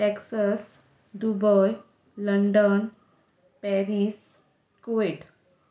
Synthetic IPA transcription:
ʈeksas | d̪ubɔj | ləɳɖən | pɛɾis | koʋeʈ

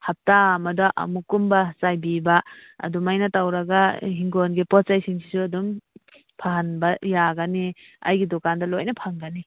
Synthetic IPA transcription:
hap̚tamɐdaʔɐ̰mukumbasajbibaɐ̰dumajnatawɾaɡaɦiŋɡonɡepɔt͡ʃajsiŋsʰi̥suɐdum | pʰaɦanbajaɡani | a̰jɡidɔkandɐlojnapʰaŋɡani

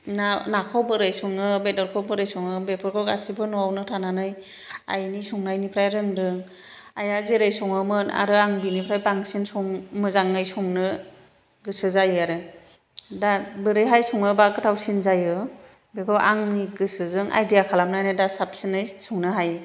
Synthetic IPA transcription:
nanakʰɔwbɯɾɯjsɔŋɯbedɔɾkʰɔwbɯɾɯjsɔŋɯbepʰɯɾkʰɔɡasibɯnɔawnɯtʰananɯj | a̰jnisɔŋnajnipʰɾajɾɯŋdɯŋ | ajazeɾɯjsɔŋɯmɯna̰ɾɯaŋbinipʰɾajbaŋsinsɔŋmɯzaŋnɯjsɔŋnɯ | ɡɯsɯzajaɾɯ | dabɯɾɯjɦajsɔŋɯbaɡɯtʰawsinzajɯ | bekʰɔwʔaŋniɡɯsɯzɯŋʔa̰jdijakʰalamnajnɯdasap̚sinɯjsɔŋnɯɦajɯ

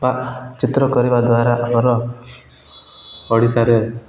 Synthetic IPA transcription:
baʔt͡ʃit̪ɾɔkɔɾibad̪waɾaʔamɔɾɔ | ɔɽisaɾɔ

